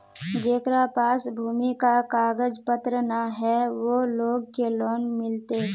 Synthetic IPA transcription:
d͡ʒeːkɾapaːsbʱuːmikakaːɡəd͡ʒpət̪ɾənaɦɛʋoloːɡ̚keloːnmɪlt̪e

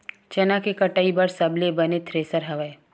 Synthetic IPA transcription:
t͡ʃɐnakekɐʈaibəɾsɐblebɐnet̪ʰɾeːsəɾɦɐʋəe

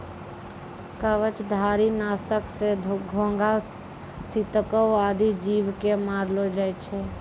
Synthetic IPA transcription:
kəʋət͡ʃd̪ʱaːɾinaːsəksed̪ʱɡʱõːŋɡa | sit̪əkəaːd̪id͡ʒiːʋkemaːɾlod͡ʒaːɛt͡ʃʰe

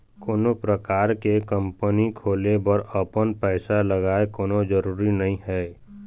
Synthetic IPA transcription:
koːnopɾəkaːɾkekə̃mpənikʰoːlebəɾəpənpɛːsaləɡaːekoːnõd͡ʒəɾuːɾinɐɦĩɦɛː

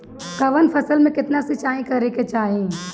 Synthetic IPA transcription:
kɐʋənpʰɐsəlmẽkɪt̪nasɪt͡ʃaːĩkɐɾeket͡ʃaːɦĩ

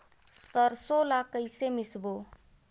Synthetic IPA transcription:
t̪əɾsolakəjsemɪsbo

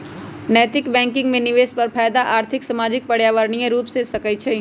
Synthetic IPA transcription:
nɛːt̪ɪkbɛ̃ːŋkɪ̃ŋɡmẽnɪʋeːspɐɾpʰaːjd̪aʔaːɾt̪ʰɪksɐmaːd͡ʒɪk̚pɐɽjaːʋəɾɳijẽɾuːpsesɐkəit͡ʃʰe

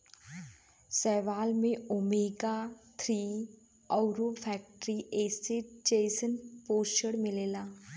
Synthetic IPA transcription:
sɛːʋaːlmẽʊmeːɡat̪ʰɾiː | ɔʊɾopʰɛːk̚ʈəɾiʔeːsed͡ʒeːsənpoːst͡ʃəɽmɪleːlaː

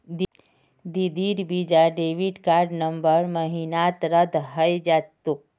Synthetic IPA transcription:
d̪ | d̪id̪iːɾbiːd͡ʒaɖeːʋiɖkaːɾɖnəmbəɾməɦinaːt̪ɾəd̪ɦəjd͡ʒaːt̪ːuk̚

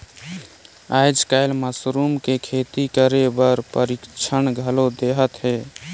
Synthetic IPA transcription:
aɪd͡ʒkaɪlməsɾumkekʰet̪ikəɾebəɾpəɾikt͡ʃʰənɡʱəlod̪eɦət̪ɦe

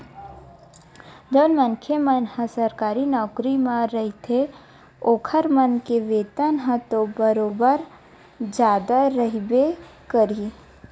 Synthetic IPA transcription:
d͡ʒoːnmənkʰemənhə̃səɾkaːɾinɔːkɾimãɾəɦit̪ʰe | oːkʰəɾmənkeʋeːt̪ənɦə̃t̪obəɾoːbəɾ | d͡ʒaːd̪aɾəɦibekəɾi

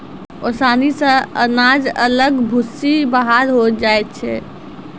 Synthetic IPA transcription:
osanisə̃ə̰nad͡ʒələɡbʱusːibəɦaɾɦod͡ʒaet̪̚t͡ʃʰɛ

